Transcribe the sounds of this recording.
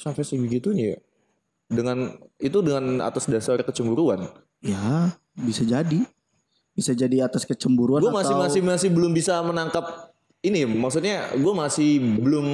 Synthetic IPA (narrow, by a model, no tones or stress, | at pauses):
sapasibəɡit̪unḭ | dəŋanit̪udəŋana̰t̪asdasarkət͡ʃəmbuɾuan | ja | bisad͡ʒadi | b̥isad͡ʒadiat̪askət͡ʃəmbuɾuanɡuamasɪamasɪmasɪhbəlʊmbisamənaŋkap̚ | inimaksut̪̚ɲaɡuamasɪhbəlʊm